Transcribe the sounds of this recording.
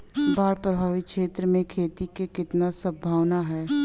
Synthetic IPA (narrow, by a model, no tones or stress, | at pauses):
baːɾpɾəbʱaːʋikʃeːt̪ɾəmẽkʰeːt̪ikekɪt̪nasəbʱaːʋnaɦɛː